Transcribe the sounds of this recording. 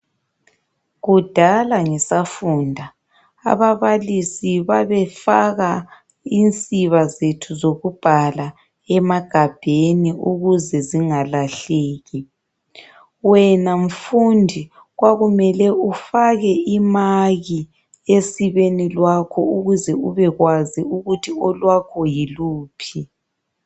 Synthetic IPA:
ɣud̥ʱalaŋɛsafuːndʱa̰ː | βaβalisiβaβɛfaɣa | int͡sʼiβazetʰuzoɣub̥ʱala | ɛmaɡ̥ʱab̥ʱeniʔuɣuzɛziŋalaɬeːɣi | wɛnam̩fundʱi | ɣwaɣumɛlɛufaɣɛimaɣi | esiβenilwakʰɔuɣuzɛuβɛɣwaziuɣutʰiɔlwakʰɔjiluːpʰi

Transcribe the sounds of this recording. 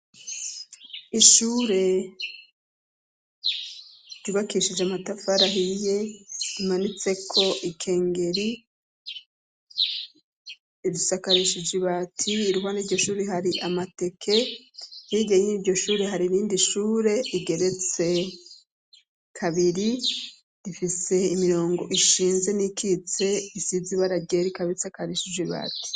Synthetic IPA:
iʃuːɾe̞ | ɾ̥juːβakiːʃid͡ʒeamatafaɾaɦije̞imanit͡se̞kʰo̞ʔikʰe̞ːŋɡe̞ɾi | idusakaɾiʃid͡ʒiβatʰiːɾuwaniːɾɟo̞ʃuːɾeɦaɾiʔamate̞kʰe̞hiɡeɲeniɾɟo̞ʃuːɾe̞ɦaɾiɾiːndiʃuːɾe̞iɡe̞ɾe̞t͡se̞ | kʰaβiɾi | ɾifise̞imiɾo̞ːŋɡo̞ʔiʃiːnze̞nikʰit͡se̞isiziβaɾaɡeɾikaβiɾisakaɾiʃid͡ʒwiβa̰ti̥

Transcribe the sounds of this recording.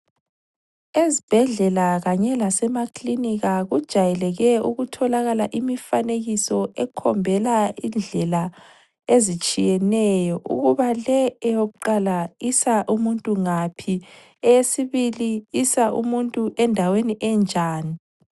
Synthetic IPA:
ezib̥ʱɛɮɛlaɣaɲɛlasɛmakʰliniɣaɣud̥ʒ̥ʱajɛlɛɣɛuɣutʰɔlaɣalaʔimifaneɣisɔɛkʰɔmbʱɛlaind͡ɮʱɛla | ezit͡ʃʼijɛnɛjɔʔṵɣuβalɛɛjoɣuǃalaisaʔumuntʼuŋapʰi | ɛjesiβiliisaʔṵmuntʼuʔɛndʱaweniʔɛnd͡ʒʱaːni

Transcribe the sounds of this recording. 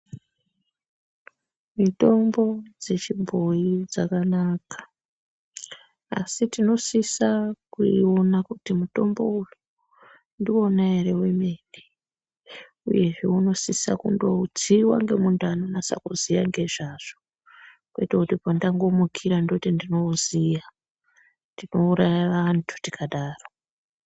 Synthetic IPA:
mito̞mbo̞d͡ze̞t͡ʃibʱo̞id͡zakanaːkḁ | a̰sitino̞sisakuionakutimuto̞mbo̞uju | ndiwo̞naeɾe̞wemene | uje̞ʐe̞uno̞sisa̰kṵndo̞t͡siwa̰ŋɡe̞muntanonasa̰kuzijaŋɡe̞ʐaʐ̥o | kweitakutipandaŋɡo̞mukʰiɾandotindino̞zija | ndino̞uɾajaʋantʰu̥tikʰaɗaːro

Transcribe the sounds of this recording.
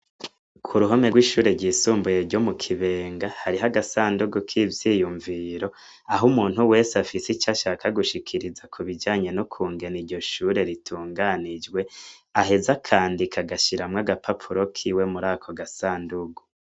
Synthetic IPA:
kʰuɾuɦo̞meɡwiːʃuːɾe̞ɾɟiːsuːmbujeɾɟo̞mukʰiβe̞ːŋɡahaɾiɦaɡasaːnduɡukʰivjijuɱviɾo̞ | aɦumuːn̥huwe̞ːsafisit͡ʃaʃakaɡuʃikʰiɾizakʰuβid͡ʒaːɲe̞nokʰuːŋɡe̞niɾɟo̞ʃuɾe̞ɾitʰuːŋɡanid͡ʒɡwe̞aɦe̞zakʰaːndikʰaɡaʃiɾamŋaɡapʰapʰuɾo̞kʰiːwe̞muɾaːkʰo̞ɡasaːnduɡu

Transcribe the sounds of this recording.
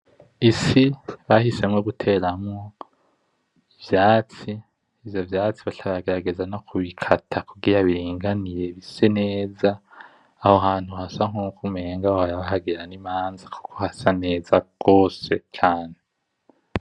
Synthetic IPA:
isiβahise̞mŋoɡutʰe̞ɾamŋo | ivjaːt͡siː | vjovjaːt͡siβatʰaβaɡe̞ɾaɡe̞zano̞kʰuβikʰatʰakuɡiɾaβiɾiːŋɡanije̞βisene̞ːzaː | hohaːn̥huhasaŋukʰume̞ːŋɡahohajaβaɦaɡeɾanimaːnzaku̥kʰohasane̞ːzaɡ̥o̞ːse̞t͡ʃaːne

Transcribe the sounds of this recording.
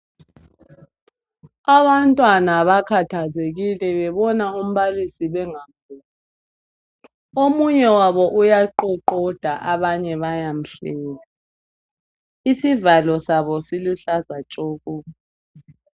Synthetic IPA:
aβantʼwanaβakʰatʰazeɣilɛβɛβɔnaum̩βalisiβɛŋambʱuː | omuɲɛwaβɔʔujaǃɛǃɔd̥ʱaʔaβaɲɛβajam̩ɬɛːla | isivalɔsaβɔsiluɬazat͡ʃʼɔːkuː

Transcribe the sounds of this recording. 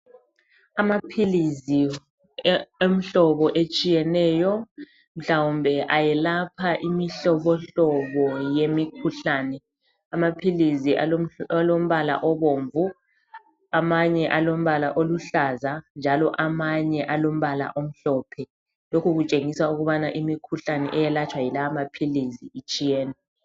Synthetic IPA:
amapʰilizi | em̩ɬɔβɔʔet͡ʃʼijɛnɛːjɔ | m̩ɬawumbʱɛʔajɛlapʰaʔimiɬɔβɔɬɔβɔjemikʰuɬaːnɛ | amapʰiliziʔaalom̩βala̰ʔɔβoːɱvu | amaɲɛʔalom̩βalaʔoluɬazand͡ʒʱalɔʔamaɲɛʔalom̩βala̰ʔom̩ɬɔpʰɛ | lokʰuɣut͡ʃʼeŋisauɣuβanaʔimikʰuɬanɛ̰ʔɛjɛlat͡ʃʰʼwajilaamapʰiliziit͡ʃʼijɛːnɛ

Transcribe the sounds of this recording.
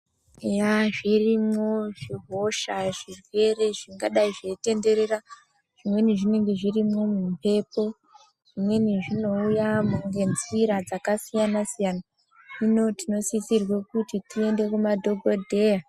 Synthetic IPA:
jaʐirimo̞ʐiɦo̞ʃaʐirwe̞re̞ʐiŋɡaɗaiʐe̞te̞nde̞ɾe̞ra | ʐ̥imwe̞niʐine̞ŋɡe̞ʐirimo̞mumpe̞po̞ | ʐ̥imwe̞niʐino̞ujamuŋɡe̞nziɾad͡zakasijanasijana | ino̞tino̞sit͡sirwe̞kutitie̞nde̞kumadʱo̞ɡʱodʱe̞ja

